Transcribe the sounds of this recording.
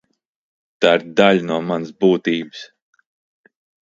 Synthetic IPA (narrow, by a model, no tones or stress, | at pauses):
t̪aɾd̪aʎʲnuɔmansbuːt̪iːbɨs